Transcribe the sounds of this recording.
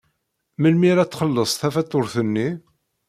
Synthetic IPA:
məlmiɾæt͡sːχəlːəsˤθæfæt̪ˤːoɾθənːi

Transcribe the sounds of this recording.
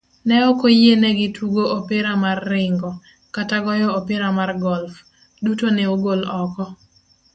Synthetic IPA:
nɛɔkojenɛɡɪtuɡoʔopɪɾamarːɪŋɡɔ | kataɡɔjɔopɪɾamarɡɔlf | dutonɛoɡolɔkɔ

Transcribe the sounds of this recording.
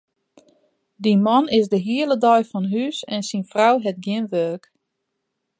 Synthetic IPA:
dimɔnɪsdəɦiələdɔjfɔnɦysɛnsinfrawɦɛtɡjɪnʋøːk

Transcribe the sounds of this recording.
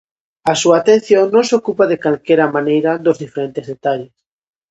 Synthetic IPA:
asuaːt̪ẽn̟θjoŋnõŋsokupaðekalkeɾamanejɾad̪ozðifeɾent̪ɪzðet̪aʎes

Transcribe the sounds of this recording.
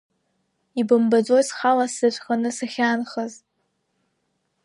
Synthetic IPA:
ibɨmbad͡zʷojsχalasɨʃʷχanɨsaχʲaːnχəz

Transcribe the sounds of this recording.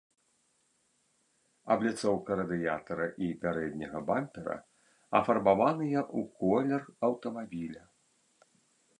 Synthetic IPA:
ɐ̰blʲit̪sɔwkɐɾɐd̪ɨjat̪ɐɾɐʔipʲaɾɛd̪ʲnʲɐɣɐbamʲpʲɛɾɐ̰ | ɐ̰fɐrbavanɨjɐʔukɔlʲɛrɐwt̪ɐmabʲilʲɐ

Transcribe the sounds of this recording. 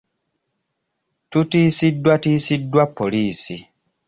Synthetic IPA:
tutiːsidːwatiːsidːwapːo̞liːsi

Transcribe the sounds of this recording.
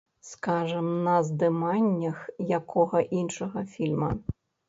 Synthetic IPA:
skaʐɐmnɐzd̪ɨmanʲːɐxjakʰɔɣɐʔinʂɐɣɐfʲilʲmɐ̰

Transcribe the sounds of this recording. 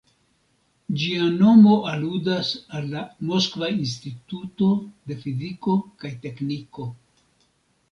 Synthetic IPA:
d͡ʒiano̞mo̞ʔaludasalːamo̞skvains̬tituto̞de̞fiziko̞kajte̞kniko̞

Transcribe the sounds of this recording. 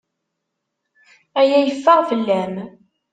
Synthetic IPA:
æjæjəfːəʁvəlːæm

